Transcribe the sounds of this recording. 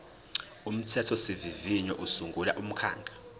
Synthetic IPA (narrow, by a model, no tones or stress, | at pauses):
um̩tʰɛtʰɔsiviviɲɔʔusuŋɡʱula̰ʔum̩kʰa̰ːŋɡʱa